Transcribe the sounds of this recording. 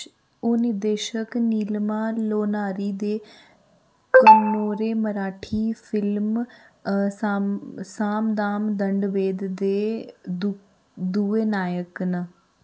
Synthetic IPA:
oːnɪɾd̪eːʃəkniːlmaːloːnaːɾiːd̪eː | kənoːɾeːməɾaːʈʰiːfʰɪlm | ssaːmd̪aːmd̪əɳɖʋeːd̪d̪eː | d̪ueːnaːjəknə

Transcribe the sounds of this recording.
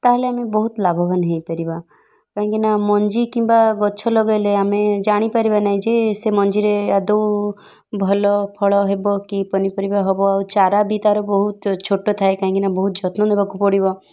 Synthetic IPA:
t̪aɦeleamebɔɦut̪labʱɔbanɦejpaɾiba | kaɦĩŋkinamɔnd͡ʒikimbaɡɔt͡ʃʰɔlɔɡɔjleamed͡ʒaɽ̃ipaɾibanaɦĩd͡ʒesemɔnd͡ʒiɾead̪ɔw | bʱɔlɔpʰɔɭɔɦebɔkipɔnipɔɾibaɦɔbɔawt͡ʃaɾabit̪aɾɔbɔɦut̪t͡ʃʰoʈɔt̪ʰaekaɦĩŋkinabɔɦut̪d͡ʒɔt̪nɔd̪ebakupɔɽibɔ

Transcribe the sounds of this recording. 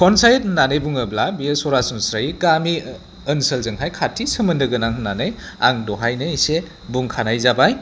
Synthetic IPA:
kʰɔnsajt̚nanɯjbuŋɯblabiesɔɾasɔnsɾajiɡami | ənsəlzɯŋɦajkʰatʰisɯmɯndɯɡɯnaŋnanɯj | a̰ŋdɔɦajnɯise | buŋkʰanajzabaj

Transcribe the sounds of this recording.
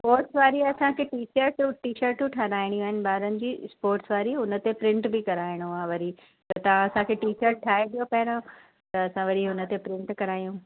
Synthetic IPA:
spoːɾʈsʋaːɾiɐsãkʰeːʈiːt͡ɕəɾʈʈiːʃəɾʈũʈʰanaːɪɽ̃iʋɐːɦɪnɪ̆baːɾənɪ̆d͡ʑiːspoːɾʈsʋaːɾiɦʊnə̆t̪epɾɪ̃ɳʈbɪkɐɾaːɪɽ̃uaːʋɐɾi | t̪ɐt̪ɐʋ̤ãɐsãkʰeːʈiːʃəɾʈʰaːeɗ̪ijopɐɦɾõ | t̪ɐːsãʋɐɾiɦʊnə̆t̪epɾɪ̃ɳʈkɐɾaːijũː

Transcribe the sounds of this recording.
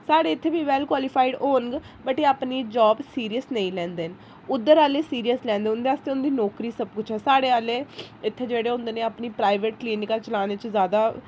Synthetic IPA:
saːɽeːɪt̪ʰːeːbiːʋɛːlkwaːlɪpʰaːɪɖoːnɡ | bəʈeːaːpniːd͡ʒɔːbsiːɾijəsnəĩːlɛ̃ːnd̪eːn | ʊd̪ːəɾaːleːsiːɾijəslɛ̃ːnd̪eːʊnd̪eːaːst̪eːʊnd̪iːnɔːkɾiːsəb̚kʊt͡ʃʰɦɛːsaːɽeːaːleːɪt̪ʰːeːd͡ʒeːɽeːʊ̃nd̪eːneːapniːpɾaːɪʋeːʈ̚kliːnɪkaːt͡ʃəlaːneːt͡ʃəzjaːd̪aː

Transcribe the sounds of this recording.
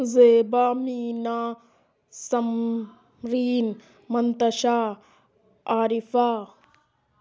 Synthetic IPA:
zeːbaːmiːnaː | sɐm | ɾiːn | mɐnt̪ɐʃaː | aːɾifaː

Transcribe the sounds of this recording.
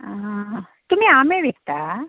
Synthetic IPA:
a | t̪ʊmẽaːmẽʋeːkt̪aː

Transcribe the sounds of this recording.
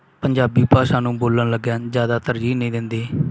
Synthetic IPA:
pəɲd͡ʒaːbiːpaːʃãːnũːboːlənləɡãːzjaːd̪aːt̪əɾd͡ʒiːnəĩːd̪ɪnd̪eː

